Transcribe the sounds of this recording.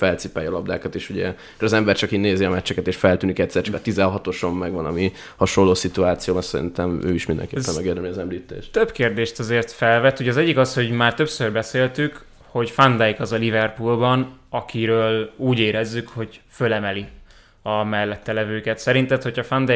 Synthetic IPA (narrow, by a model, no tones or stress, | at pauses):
fɛlt̪sipaːjɒlɒb̚d̪a̰ːkɒt̪eːʃuɟɛ | kːoɾɒzɛmbɛrt͡ʃɒkineːziɒmɛt͡ʃːɛkɛt̪eːʃfɛlt̪yːnikɛct̪sɛrt͡ʃɒ̥kɒt̪izɛɦɒt̪o̞ʃomːɛɡʋɒnɒ̰mi | hɒʃolːoːsit̪uaːt̪sijoːbɒnsɛɾḭnt̪ɛmø̰ːiʃmind̪ɛ̰ŋkeːɛmmɛɡeːrd̪ɛmliɒzɛmliːt̪ḛːʃt̪t̪øbkeːrd̪eːʃt̪ɒzeːrt̪fɛlvɛt̪ːuɟɛɒːzɛɟːikɒsho̞ɟmaːrt̪ø̞psørbɛseːlt̪yk | ho̞ɟfand̪ɛjkɒzɒlivɛrpulbɒnɒkʰiɾøːluːɟeːɾɛzːykho̞ɟfølɛmɛli | ɒmɛlːɛt̪ːɛlɛvøːkɛt̪sɛɾint̪ɛt̪ho̞cʰɒfand̪ɛ